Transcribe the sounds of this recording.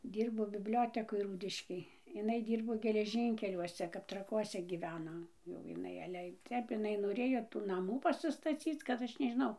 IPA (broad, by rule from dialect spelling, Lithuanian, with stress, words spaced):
ˈdʲiːrboː bʲɪbʲˈlʲoːtʲɛkoːj ˈruːdʲɪʃʲkʲeːj ɪˈnɐɪ ˈdʲiːrboː ɡʲɛlʲɛˈʒʲiːŋʲkʲɛlʲuɔsʲɛ kɐp trɐˈkuɔsʲɛ ɡʲiːˈʋʲæːnoː jɛʊ jɪˈnɐɪ ˈɑːlʲɛ ˈtʲɛp ɪˈnɐɪ noːˈrʲeːjoː tuː nɐˈmuː pɐsʲɪstɐˈt͡sʲiːt͡s kɐt ˈɐʃ nʲɛʒʲɪˈnɐʊ